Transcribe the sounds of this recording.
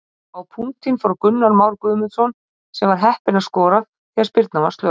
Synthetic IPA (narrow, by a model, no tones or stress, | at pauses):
awpʰuŋt̪ʰinfɔɾkʏnːaɾmaːwɾkʏːmɪðsɔn | sɛmvaɾ̥ɦɛhpɪnḁskɔːɾaθ | θɛḁɾspɪɾt̪navast̪lœ